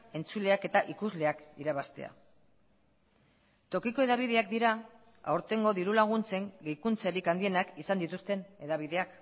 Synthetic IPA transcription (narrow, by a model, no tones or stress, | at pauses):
e̞nt͡sule̞ake̞t̪aʔikuzle̞akiɾaβast̪e̞̰a̰ | t̪o̞kiko̞e̞ðaβ̞iðe̞ak̚d̪iɾa | a̰wɾt̪e̞ŋɡo̞ðiɾulaɣ̞unt͡se̞ŋɡejkunt͡seɾikand̪ie̞nakisand̪it̪ust̪e̞ne̞ðaβ̞ið̞e̞ak